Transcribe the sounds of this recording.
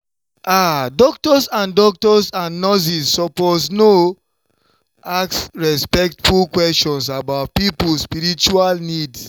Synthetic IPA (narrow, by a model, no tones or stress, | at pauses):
ʔadɔk̚tɔsãndɔk̚tɔsãnnɔs̬isːɔposno | aksɹɛspɛk̚tfulkwɛst͡ʃɔ̃ns̬abaʊt̚pipulspiɾit͡ʃualnids